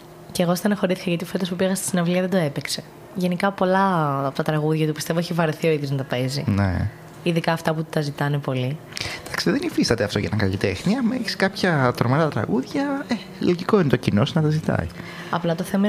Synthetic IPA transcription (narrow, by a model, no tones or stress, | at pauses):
ceːɣosit̪ɐnɐxo̞ɾiθi̥kɐʝɐt̪iofetd̪espupiɣɐst̪i̥sinɐvliɐðed̪oe̞pekse̞ | ʝe̞nikɐpo̞lɐpot̪ɐt̪ɾɐɣuðʝɐt̪upist̪e̞voeçivɐɾeθio̞iðjoznɐt̪ɐpe̞zḭnḛ | iðikɐːft̪ɐput̪ɐzit̪ɐnepo̞li | d̪ɐksiðenifist̪ɐt̪eɐft̪o̞ʝɐ̰nɐkɐ̰ʎḭt̪exniɐmeçsi̥kɐpçɐt̪ɾomeɾɐt̪ɾɐ̰ɣuðʝɐe | loʝiko̞inet̪ocinosnɐt̪ɐzit̪ɐ̰i | ɐ̰plɐt̪oθe̞mɐ